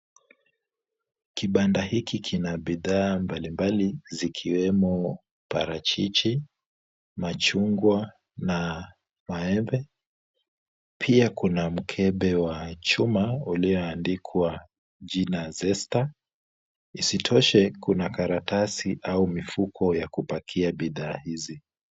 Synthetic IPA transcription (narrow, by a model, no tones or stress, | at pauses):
kiɓandahikikʰinaɓiðaːmbalimbalizikʰiwɛmɔ | pa̰ɾat͡ʃit͡ʃi | mat͡ʃuŋɡwa | na | maɛmbɛ | pʰiakunam̩kʰɛɓɛwat͡ʃumauliɔandikʰwa | ʄinazɛsta | isitʰɔʃɛkunakaɾatasiʔaumifukʰɔjakupakʰiabiðaːhizi